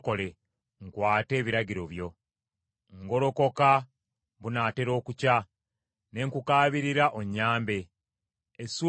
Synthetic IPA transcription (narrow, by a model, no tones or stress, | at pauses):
ko̞le | ŋkwaːte̞ːβiɾaɟiɾo̞βjo̞ | ŋɡo̞ɾo̞ko̞ka | βunaːte̞ɾo̞ːkuca | ne̞ŋkukaːβiɾiɾaʔoɲːaːmbe̞ | esu